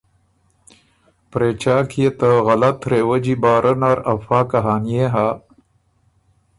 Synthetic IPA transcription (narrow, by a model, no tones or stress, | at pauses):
pɾeːt͡ɕaːkʰijet̪əɣɐlɐt̪ɾewəd͡ʑibaːɾʔɐnaɾɐfaːkaɦaːnijeɦa